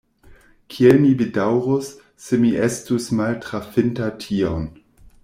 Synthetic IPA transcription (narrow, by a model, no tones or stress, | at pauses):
kʰielmivedawɾusː | emiʔestusmaltɾafentatʰion